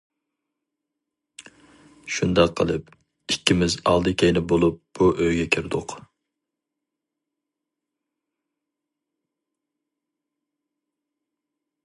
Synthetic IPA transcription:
ʃund̪ɑqʰːəlˠɨp̚ | ikʲːimɪzɑ̰lˠd̪ɨkʲʰejnɪbolˠup̚b̥uʔøjɡʲɛkʲʰiɾd̪ʊq

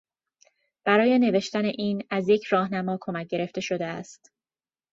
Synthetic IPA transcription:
b̥æɾɒːje̞ne̞ve̞ʃt̪æne̞ʔiːnæzje̞cʰɾɒːhnæmɒːkʰo̞mæc̚ɟe̞ɾe̞ft̪e̞ʃo̞d̪eæst̪

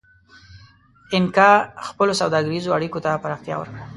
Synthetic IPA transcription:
ɪnkɑxpəlosawd̪ɑɡəɾizoaɽikot̪apaɾɑxt̪jɑ̰wə̰ɾkɽa

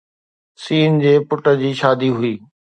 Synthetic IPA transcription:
siːnd͡ʑeːpʊʈə̆d͡ʑiːʃaːd̪iɦʊiː

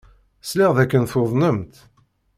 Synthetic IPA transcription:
sliʁðækːənθoðˤnəmt̪

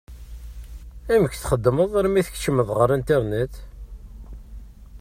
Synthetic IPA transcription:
æməkθχəd̪ːəməðˤəɾˤmiθəkt͡ʃːəməðˤʁəɾˤænt̪iɾˤnət̪

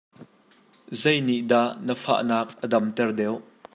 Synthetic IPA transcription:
zejniʔd̪aʔnəfa̰ːʔnaːk̚ʔədɐmt̪ɛrd̪ɛw

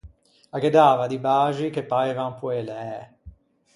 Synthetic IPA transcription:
aked̪aːvad̪ibaːʒikepːaevampweleɛ

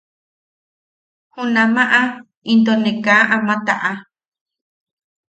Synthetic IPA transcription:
hũnãmãʔã | ind̪onẽkãʔãmãt̪aʔa

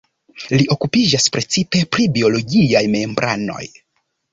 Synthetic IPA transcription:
liʔo̞kupid͡ʒaspɾe̞t͡sipe̞pɾibio̞lo̞ɡiajme̞mbɾʔa̰no̞̰j

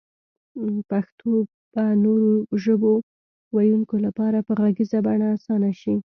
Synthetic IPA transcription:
paxt̪ʰo | banoɾoʒəbo | wajuŋkolapɑɾapəɣaɡizabaɳaːsɑnaʃi

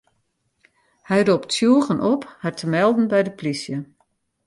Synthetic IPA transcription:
hɛjroptsjuəɣənʔɔphartəmɛlˠdn̩bɛjdəplisjə

